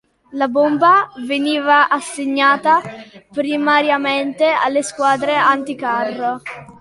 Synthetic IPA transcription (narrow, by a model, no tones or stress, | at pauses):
labombaveniːvaʔasːeɲːaːt̪apɾimaɾjament̪ea̰lːeskwaːd̪ɾeant̪ikarːo